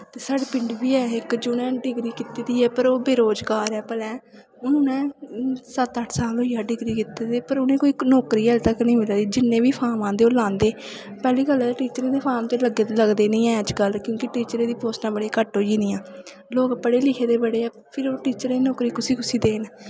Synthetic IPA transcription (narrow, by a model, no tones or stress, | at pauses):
t̪eːsaːɖeːpɪɳɖbiːɛːɪkd͡ʒoːnɛ̃ːɖɪɡɾiːkɪt̪iːd̪iːɛːpəɾoːbeːɾoːd͡ʒɡaːɾɛːpəlɛ̃ː | ʊnʊnɛ̃ːsət̪əʈʰsaːloiːaːɖɪɡɾiːkɪt̪eːd̪eːpəɾʊnẽːkoːiːnɔːkɾiːɛːlt̪əknĩːmɪlaːd̪iːd͡ʒɪnːẽːʋiːpʰaːɾmãːd̪eːoːlãːnd̪eː | pɛːliːɡəlɛʈiːt͡ʃəɾẽːd̪eːpʰaːmt̪eːləɡeːləɡd̪eːnĩːɛ̃ːəd͡ʒkəlkjõːkɪʈiːt͡ʃəɾẽːd̪iːpoːsnãːbəɽeːkəʈɦoːd͡ʒiːnĩːãː | loːkəpəɽeːlɪkʰeːd̪eːbəɽeːɛː | pʰɪɾoːʈiːt͡ʃəɾenɔːkɾiːkʊsiːkʊsiːd̪eːn